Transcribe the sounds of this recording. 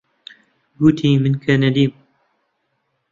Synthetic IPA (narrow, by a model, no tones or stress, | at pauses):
ɡuːt̪ʰiːmɨnkʰɛnɛd̪iːm